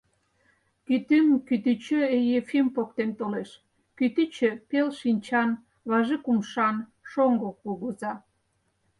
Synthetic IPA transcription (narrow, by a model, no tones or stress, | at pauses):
kyt̪ymkyt̪yt͡ɕøejefimpokt̪emt̪oleʃ | kyt̪yt͡ɕøpelʃinʲt͡ɕɑn | βɑʒekumʃɑnʃoŋɡokuɣuzɑ